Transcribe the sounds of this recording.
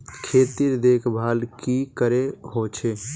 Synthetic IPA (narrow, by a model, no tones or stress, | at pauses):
kʰeːt̪iɾd̪eːkʰbʱaːlkikəɾeɦoːt͡ʃʰeː